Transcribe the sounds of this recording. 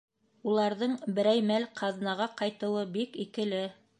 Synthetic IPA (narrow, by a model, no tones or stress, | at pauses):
ulˠɑɾðɤɴbɘ̆ɾæjmælqʰɑðnɑʁɑqɑjt̪ɤ̆wɤbikikɘ̆lɘ